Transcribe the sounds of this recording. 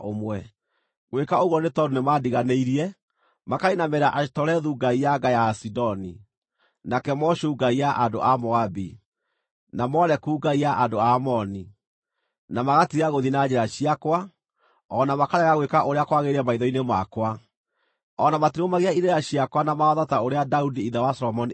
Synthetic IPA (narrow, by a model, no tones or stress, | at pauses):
omwɛ | ɣwekaoɣuɔnetɔdonemadiɣaneiɾiɛ | makainamɛɾaʔatɔɾɛðuɡaijaɡajasidɔni | nakɛmɔɕuːɡaiaʔando̰ʔamɔabi | namɔɾɛkuːɡaiaʔandoamɔni | namaɣatiɣaɣoðinad͡ʑɛɾaɕiakwa | ɔnamakaɾɛɣaɣwekaʔoɾeakwaɣeɾiɛmaiðɔinemakwa | ɔnamatiɾomaɣeaineɾaɕiakwanamaɔðataoɾeadaudiiðawasɔlɔmɔni